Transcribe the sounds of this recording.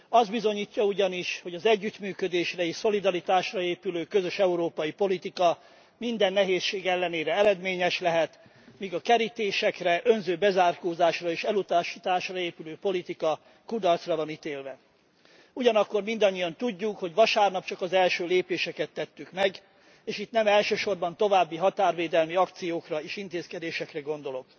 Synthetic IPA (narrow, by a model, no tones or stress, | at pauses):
ɒzd̪bizo̞ɲiːcːɒuɟɒniʃho̞ɟɒzɛɟːyt̪myːkød̪eːʃrɛeiːʃso̞lid̪ɒɾit̪aːʃrɒeːpyløːkø̞zø̞ʃɛuɾoːpɒjipo̞lit̪ikɒ | mind̪ɛnːɛɦeːsʃeːɡɛlːɛneːɾɛɛɾɛd̪meːɲɛʃlɛɦɛt̪ | miɡɒkɛɾit̪eːʃɛkrɛʔø̞nzøːbɛzaːrkoːzaːʃrɒeːʃɛlut̪aːʃit̪aːʃrɒeːpyløːpo̞lit̪ikɒ | kud̪ɒrt̪srɒvɒnit̪eːlvɛ | uɟɒnɒkːo̞rmind̪ɒɲːijɒnt̪uɟːukho̞ɟʋɒʃaːrnɒpt͡ʃɒkɒzɛlʃøːleːpeːʃɛkɛt̪ːɛt̪ːykmɛɡ | eːʃit̪nɛmɛlʃøːʃo̞rbɒnt̪o̞vaːbːiɦɒt̪aːrveːd̪ɛlmiɒkt̪sijoːkrɒeːʃint̪eːskɛd̪eːʃɛkrɛɡo̞nd̪o̞lo̞k